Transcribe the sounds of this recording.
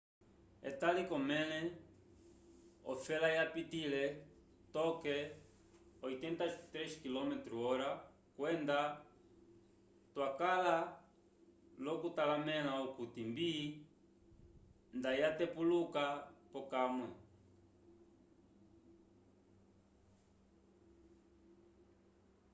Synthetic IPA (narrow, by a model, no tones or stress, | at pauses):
ɛ̰t̪alikɔmɛlɛ | ɔ̰fɛlajapitilɛ | t̪ɔkɛ | ɔjt̪ɛnt̪at̪ɾɛʃkilɔmɛt̪ɾuɔɾa | kwɛnd̪a | t̪wakala | lɔkutalamɛnaukutimbi | ndajatɛpulukapɔkamwɛ